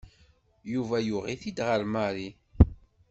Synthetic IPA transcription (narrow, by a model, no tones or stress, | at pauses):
juvæjuʁiθid̪ʁəɾmaɾi